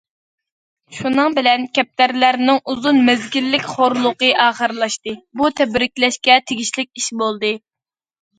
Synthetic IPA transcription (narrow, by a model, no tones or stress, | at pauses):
ʃunɨŋbɪlɛnkʲʰɛp̚t̪ʰæɾlæɾnɪŋuzunmɛzɡʲilːɪkʲχoɾlˠʊqəʔɑːχəɾɨlˠɑʃt̪ɨbut̪ʰɛbɾɪkʲlɛʃkʲɛt̪ʰeɡʲiʃlɪkʲiʃbolˠd̪ɨ